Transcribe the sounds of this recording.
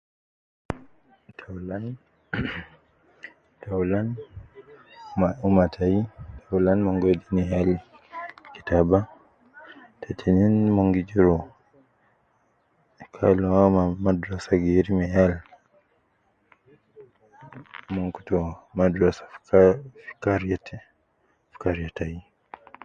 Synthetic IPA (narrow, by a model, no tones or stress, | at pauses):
tʰalan | taulan | umatʰaitaulanmɔŋɡediniɦal | ki̥taba | tʰatʰininmɔŋɡid͡ʒiɾɔ | kʰa̰lamamadɾasaɡiɾimɛjal | mɔŋku̥tɔmadɾasḁ | fi̥kaɾatɛ | fi̥kaɾjatai